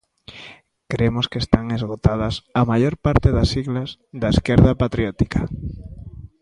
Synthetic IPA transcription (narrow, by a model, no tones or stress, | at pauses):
kɾemoskest̪aŋezɣot̪að̞ɐsamaʎoɾpaɾt̪eðɐsiɣlazðaeskeɾðapat̪ɾjɔt̪i̥kḁ